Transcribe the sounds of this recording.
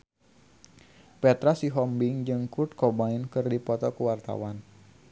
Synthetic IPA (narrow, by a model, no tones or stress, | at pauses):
pɛt̪ɾasiɦɔmbɪŋd͡ʒɨŋkurt̪̚kɔbaɪnkɨrdipɔt̪ɔkuwart̪a̰wan